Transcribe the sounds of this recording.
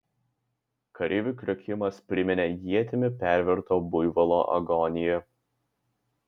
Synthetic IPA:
kɐɾʲɪʋʲukʲɾʲokʲɪmɐspʲɾʲɪmʲɪnʲeːjiɛt̪ʲɪmʲɪpʲæˑɾʲʋʲɛɾt̪oːbʊjʋɐlˠo̰ːʔɐ̰ɡɔnʲɪjɛ

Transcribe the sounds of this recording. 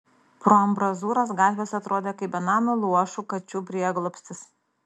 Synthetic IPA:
pɾoɐmbɾɐzuːɾɐs̬ɡɑːt̪ʲʋʲeːsɐt̪ɾoːd̪ʲeːkɐɪpʲɐnɑːmulˠuɔʃuːkɐt͡ʃʲuːpʲɾʲiɛɡlˠoːpʲsʲt̪ʲɪs

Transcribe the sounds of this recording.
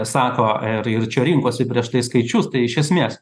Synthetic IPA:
sɑːkoːɪrɪrt͡ʃʲɛɾʲɪŋkuɔsʲɪpʲɾʲiɛʃt̪ɐɪskɐɪt͡ʃʲʊst̪ɐɪɪʃʲɛsʲmʲeːs

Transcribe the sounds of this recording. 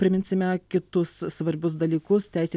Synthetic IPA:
pʲɾʲɪmʲɪnʲsʲɪmʲɛkʲɪt̪ʊsːʋɐɾʲbʲʊs̬d̪ɐlʲiːkʊst̪ʲæɪsʲeː

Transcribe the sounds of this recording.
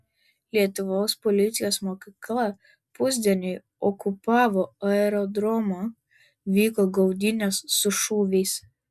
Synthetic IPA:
lʲiɛt̪ʊʋoːspɔlʲɪt̪sʲɪjoːsmɔːkʲɪklˠɐ | pʊzʲd̪ʲɛnʲoj | ɔkʊpɑːʋoɐɛɾɔd̪ɾɔmo | ʋʲiːkɔɡɔʊd̪ʲɪnʲosːʊʃuːʋʲɛːs

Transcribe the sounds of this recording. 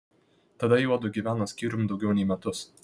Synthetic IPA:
t̪ɐd̪ɐjuɔd̪ʊɡʲiʋʲæːnosʲkʲiːɾʲʊmd̪ɒʊɡʲɛʊnʲɛɪmʲɛt̪ʊs

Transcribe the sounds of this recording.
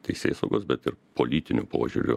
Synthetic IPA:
t̪ɐɪsʲḛːsɐʊɡoːsbʲɛt̪ɪɾpolʲiːt̪ʲɪnʲupo̰ːʒʲṵːɾʲʊ̰

